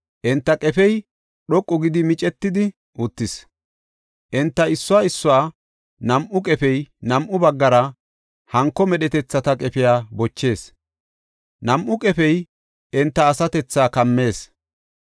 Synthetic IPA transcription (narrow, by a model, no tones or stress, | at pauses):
ʔɛnt̪ːɐkʼɛfɛj | ɗɔkʼːʊɡɪd̪ɪmɪt͡ʃʼɛt̪ːɪd̪ɪ | ʔʊt̪ːɪs | ʔɛnt̪ːɐɪsːʊaːɪsːʊwaː | nɐmʔʊkʼɛfɛjnɐmʔʊbɐɡːɐɾɐ | hɐŋkːɔmɛɗɛt̪ɛt͡sːɐt̪ɐkʼɛfɪjaːbɔt͡ʃːe̞ːs | nɐmʔʊkʼɛfɛj | ɛnt̪ːɐːsɐt̪ɛt͡sːaːkɐmːe̞ːs